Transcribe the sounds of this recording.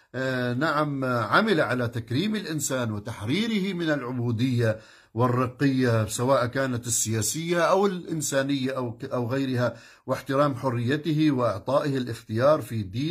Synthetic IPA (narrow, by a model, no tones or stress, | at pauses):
naʕamʕamɪlaʕalat̪akɾiːmɪlʔɪnsaːnwɪt̪aħɾiːɾɪhɪmɪnɪlʕʊbuːd̪ɪjːa | wɪrːɑqːɪjːasawaːʔkaːnat̪ɪsːɪjaːsɪjːaʔawɪlʔɪnsaːnɪjːaʔaʔawɣajɾɪha | wɪħt̪ɪɾaːmħʊrːɪjːat̪ɪɦɪwɪʔɑʕt̪ˤɑːʔɪhɪlʔɪxt̪ɪjɑːɾˤfid̪iː